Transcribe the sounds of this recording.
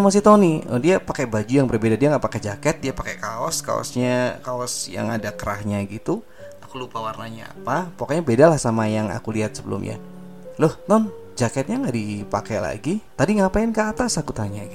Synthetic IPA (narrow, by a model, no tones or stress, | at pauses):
amas̬it̪oniɔ̰diapakɛbad͡ʒujaŋbərbedadiaŋɡaʔpakɛd͡ʒakɛt̪̚diapakɛkaɔ̰ska̰ɔ̰sɲakaɔsja̰ŋa̰dakəɾahɲaɡit̪u | akulupawarnaɲaa̰papakaʔɲabedalahsamajaŋa̰kuliɦat̪̚səbə̰lṵmɲa̰ | lʊht̪ɔn | d͡ʒakɛt̪̚ɲaŋɡaʔdipakɛla̰ɡit̪adiŋɡapaɪnkəːt̪asakut̪aɲaɡi